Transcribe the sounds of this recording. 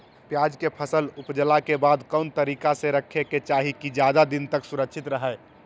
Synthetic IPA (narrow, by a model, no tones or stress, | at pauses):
pjad͡ʒkepʰəsəlupd͡ʒəlakebad̪kəʊnt̪əɾikaseɾəkʰːeket͡ʃaɦikid͡ʒjad̪ad̪int̪əksuɾəkt͡ʃʰit̪ɾəɦə